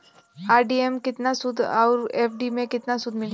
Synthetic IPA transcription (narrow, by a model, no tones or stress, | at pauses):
aːɾɖiemkɪt̪nasʊd̪ʱɔ̰ːɾeːpʰɖimẽkɪt̪nasʊd̪ʱmɪl